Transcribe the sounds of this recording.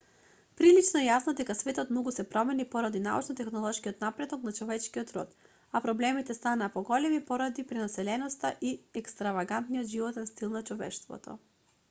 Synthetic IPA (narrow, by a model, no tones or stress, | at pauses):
pɾilit͡ʃnɔɛjasnɔd̪ɛkasvɛt̪ɔt̪mnɔɡusɛpɾɔmɛnipɔɾad̪ina̰ṵt͡ʃnɔt̪ɛxnɔlˠɔʃkiɔt̪napɾɛd̪ɔknat͡ʃɔvɛt͡ʃkiɔt̪ɾɔt̪ | apɾɔblɛmit̪ɛst̪anaːpɔɡɔlɛmipɔɾad̪ipɾɛnasɛlɛnɔst̪aʔiɛkst̪ɾavaɡant̪nijɔt̪ʒivɔt̪ɛnst̪ilˠnat͡ʃɔvɛ̰ʃt̪vɔ̰t̪ɔ̰